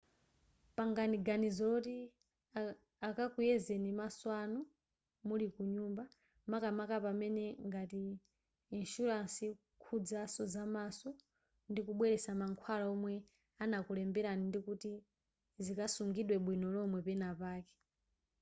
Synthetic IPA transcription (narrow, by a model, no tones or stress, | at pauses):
paŋɡaniɡanizɔlɔti | akakujɛzɛnimaswanu | mulikuɲumba | makamakapamɛnɛŋɡatiː | nʃuɾansi | kʰud͡zasɔzamasɔ | ndikuɓwɛɾɛsamaŋkʰwalaɔmwɛ | anakulɛmbɛɾanindikuti | zikasuŋɡiɗwɛɓwinɔlɔmwɛpɛnapaːkɛ̥